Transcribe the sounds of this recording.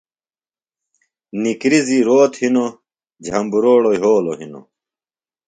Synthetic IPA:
nikɾiziɾoːt̪hino | d͡ʑʱɐmbuɾoːɽoiɦoːlo̰ɦino̰

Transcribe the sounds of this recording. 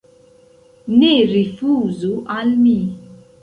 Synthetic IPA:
niɾifuzuʔalmi

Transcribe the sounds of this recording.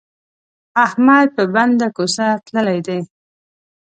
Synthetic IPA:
ahmad̪̚pəband̪akosat̪ləlajd̪e

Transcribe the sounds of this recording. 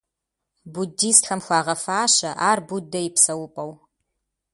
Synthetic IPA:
budiːstxɐmxʷɑːʁɐfaːɕɐʔaːrbudɐjɪpsɐwʊpʼɐw

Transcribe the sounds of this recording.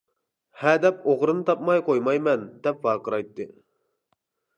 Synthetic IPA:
hæd̪ɛpoʁɾɨnɨt̪ʰɑp̚mɑjqʰojmɑjmɛnd̪ɛp̚vɑːqəɾɑjt̪ːɨ

